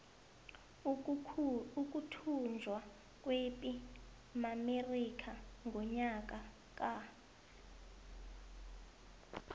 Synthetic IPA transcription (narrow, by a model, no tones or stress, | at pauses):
uk̬ʼutʰund͡zʱwa | k̬ʼwepʼi | mamerik̬ʰʼaŋɡʱɔɲak̬ʼa | k̬ʼa